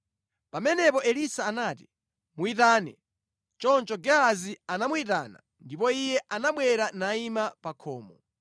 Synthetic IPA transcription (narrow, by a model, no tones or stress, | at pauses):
pamɛnɛpɔʔɛlisaːnaːt̬i̥ | muitaːnɛ | t͡ʃɔnt͡ʃɔɡɛazianamuita̰ːna̰ | ndipɔijɛʔanaɓwɛɾanaimapakʰɔːmɔ